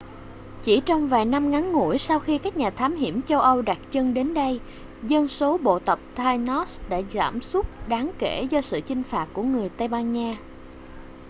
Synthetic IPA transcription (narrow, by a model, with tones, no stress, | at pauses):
t͡ɕi˧˩t͡ɕɔ˧wŋ͡mvaː˨˩jna˧mŋa˨˦ŋːṵ˧˩ə˨jsa˧wxi˧kaː˦˥k̚ɲaː˨˩t̪ʰaː˨˦mɦi˧˩əmt͡ɕə˧wʔə˧wɗa˨˩t̚t͡ɕə˧ŋɗe˨˦nɗə˧j | zə˧nso˨˦ɓo̰˧˨t̪ə˨˩p̚t̪ʰaː˧jnɔ˦˥sɗa̰ː˧˩za̰ː˧˩msu˦˥t̚ɗaː˨˦ŋke˧˩zɔ˧sɨ̰˧˨t͡ɕï˧ŋ̟faː˨˩t̚ku˧˩əŋɨ˨˩əjt̪ə˧jɓaː˧nɲaː˧